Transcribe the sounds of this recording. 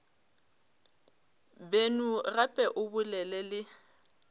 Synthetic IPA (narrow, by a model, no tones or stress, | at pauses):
benurapʼɛʔʊbʊlɛlɛlɪ